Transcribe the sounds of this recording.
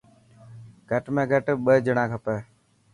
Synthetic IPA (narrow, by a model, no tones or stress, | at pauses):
ɡʱəʈmẽːɡʱəʈɓəɦd͡ʒəɳãːkʰəpeː